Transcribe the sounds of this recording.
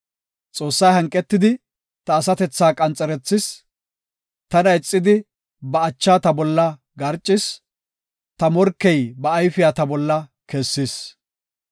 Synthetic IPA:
t͡sʼo̞ːsːɐjɦɐŋkʼːɛt̪ːɪd̪ɪ | t̪ɐːsɐt̪ɛt͡sːaːkʼɐnt͡sʼːɛɾɛt͡sːɪs | t̪ɐnɐɪt͡sʼːɪd̪ɪ | bɐːt͡ʃːaːt̪ɐbɔlːɐ | ɡɐɾt͡ʃʼːɪs | t̪ɐmɔɾkːɛjbɐːjfɪjaːt̪ɐbɔlːɐkesːɪs

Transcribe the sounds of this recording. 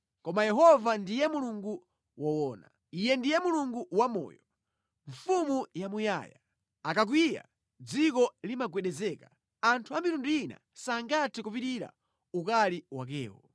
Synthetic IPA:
kɔmajɛɦɔvandijɛmuluŋɡu | wɔwɔːna | ijɛndijɛmuluŋɡuwamɔ̰ːjɔ | ɱfumujamuja̰ja̰ | akak̬wija̰ | d͡zikɔlimaɡwɛɗɛzɛka | antʰuamiɾunduina̰ | saŋɡatʰɛkup̬itiɾa̰ | ukaliwa̰k̬ɛ̰ːwɔ

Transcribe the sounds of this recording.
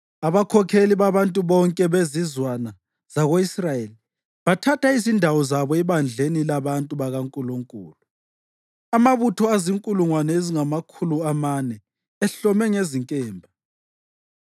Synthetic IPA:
aβakʰɔkʰeliβaβantʼuβɔŋkʼɛβezizwana | z̥aɣoisrajeli | βatʰatʰaizindʱawɔzaβɔɛβand͡ɮʱenilaβantʼuβaɣaŋkʼuluŋkʼṵːlu | amaβutʰɔaziŋkʼuluŋwanɛeziŋamakʰuluamanɛ | ɛɬɔmɛŋeziŋkʼɛːmbʱa

